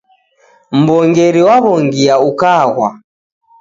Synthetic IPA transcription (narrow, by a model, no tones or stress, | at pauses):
m̩bɔŋɡɛɾiwaβɔŋɡiaukaːɣwa̰